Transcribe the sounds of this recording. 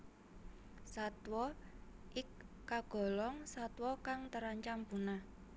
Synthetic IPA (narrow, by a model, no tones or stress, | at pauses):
sat̪wɔ | ʔɪkː | aɡ̥ɔ̤lɔŋsat̪wɔkaŋt̪əɾaɲt͡ʃampuna